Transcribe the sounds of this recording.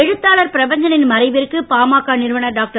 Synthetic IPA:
ɛɻɯt̪ːaːɭɐɾpɪɾɐbɐɲd͡ʒɐnɪnmɐɾɐɪʋɪɾɯkːɯpaːmaːkːaːnɪɾɯʋɐɳɐɖaːk̚ʈɐ

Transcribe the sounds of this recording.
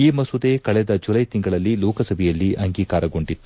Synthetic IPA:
iːmɐsud̪eːkɐɭɛd̪ɐd͡ʒulɐjt̪iŋɡɐɭɐlːilɔːkɐsɐbʱɛjɐlːiʔɐŋɡiːkaːɾɐɡo̞ɳɖit̪ːu

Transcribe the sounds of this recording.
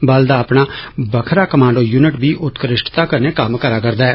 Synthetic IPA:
bəld̪aːəpɳaːbəkʰɾaːkəmãːɳɖoːjuːnɪʈbiːʔʊt̪kəɾɪʃʈʰt̪aːkəɾneːkəmkəɾaːkəɾd̪aːɛː

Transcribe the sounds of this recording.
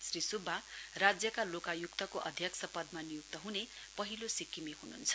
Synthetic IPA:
srisubʱːarad͡zjʌkalokajuk̚t̪ʌkoʔʌ̰d̪ʱjʌksʌpʌd̪manijuk̚t̪ʌɦune | pʌɦilosikːimiɦunṵnt͡sʰʌ̥

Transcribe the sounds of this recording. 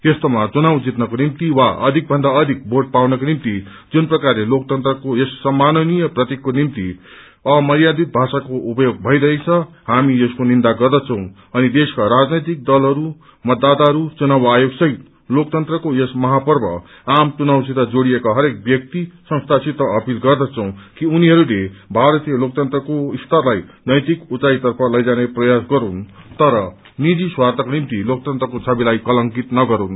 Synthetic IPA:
jest̪omat͡sunawd͡zit̪nʌkonimt̪iwaʔʌ̰d̪ʱik̚bʱʌnd̪aʌd̪ʱik̚bʱorʈ̚pawnʌkonimt̪i | d͡zunprʌkarlelok̚t̪ʌnt̪rʌkojesːʌmːanʌnijʌprʌt̪ikːonimt̪i | ʌmʌɾijad̪ip̚bʱasakoupʌjoɡ̚bʱʌiɾʌit͡sʰʌ | hamijeskonind̪aɡʌrd̪ʌt͡sʰʌ̃w̃ | ʌnid̪eskaɾad͡znʌjt̪̬ik̚d̪ʌlɦʌɾu | mʌd̪ːat̪aɦʌɾut͡sunabajoɡsʌɦit̪̚ | lok̚t̪ʌnt̪rʌkojesmʌɦapʌrbʱʌ̰ | amt͡sunawsit̪ad͡zoɽijekaɦʌɾek̚bjʌk̚t̪isʌ̃st̪ʰasit̪ʌʌpilɡʌrd̪ʌt͡sʰʌ̃w̃kiuniɦʌɾulebʱaɾʌt̪ijʌlok̚t̪ʌnt̪rʌkoist̪ʰʌrlajnʌjt̪ikut͡sait̪ʌrpʰʌlʌjd͡zaneprʌjasɡʌɾunt̪ʌɾʌ | nid͡ziswart̪ʌknimt̪ilok̚t̪ʌnt̪rʌkot͡sʰʌbilajkʌlʌŋkit̪nʌɡʌɾun

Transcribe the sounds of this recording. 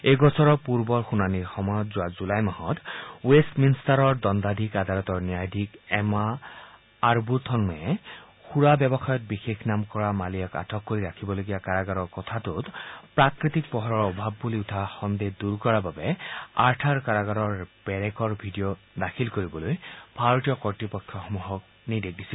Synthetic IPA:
eɡɔsɔɹɔpuɹbɔɹxunaniɹxɔmɔjɔt̪zʊwazulajmahɔt̪westminstaɾɔɹd̪ɔnd̪ad̪ʱikad̪alɔt̪ɔɹniajd̪ʱikɛmaː | ɹbut̪ʰɔnmɛ | xuɹabjɛbɔxajɔt̪̚bixexnamkɔɹamalijɔka̰tʰɔkːoɹiɾakʰibɔloɡiakaɹaɡaɾɔɹkɔt̪ʰat̪ʊt̪pɹakɹit̪ik̚pɔɦɔɹɔɹɔbʱabːuliʊtʰaxɔnd̪ed̪uɹkɔɹababɛaɹtʰaɹkaɹaɡaɔɹb̥ɛɹɛkɔɹbʱidijo | dakʰilkoɹibɔlojb̥ʱaɹɔtijɔkɔɹtɹipɔkʰːjɔxɔmuɦɔk̚ | nidek̚disil

